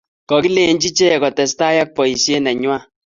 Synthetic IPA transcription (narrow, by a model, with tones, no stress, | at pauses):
kɔ˨ki˦le˨˦nd͡ʒi˦t͡ʃe˦ɛ˨kɔ˨tɛ˨sta˦ja˦k̚pɔ˨i˨sje˦nɛ˨ɲwa˦